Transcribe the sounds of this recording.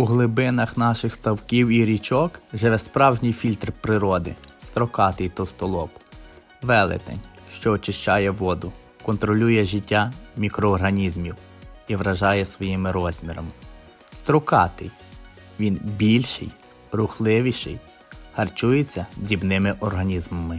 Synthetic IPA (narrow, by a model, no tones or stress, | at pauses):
uɦlˠɪbɪnɐxnɑʃɪxst̪ɐwkʲiwiɾʲit͡ʃɔkʒeʋɛspɾɑwʒnʲijfʲilʲt̪rpɾɪɾɔd̪ɪ̰st̪ɾɔkɑt̪ɪjt̪ɔst̪ɔlˠɔp | ʋɛlˠɪ̰t̪ɛ̰nʲʃt͡ʃɔːt͡ʃɪʃt͡ʃɑjɛʋɔd̪ʊ | kɔnt̪ɾɔlʲujɛʒɪtʲːamʲikɾɔːrɦɐnʲizmʲiw | iʋɾɐʒɑjɛsʋɔjimɪɾɔz̥ʲmʲiɾɐ̰mɪ | st̪ɾɔkɑt̪ɪj | ʋʲinbʲilʲʃɪ̰j | rʊxlˠɪʋʲiʃɪ̰j | hɐrt͡ʃujet͡sʲːɐd̪ɾʲibnɪmɪʔɔrɦɐnʲizmɔmɪ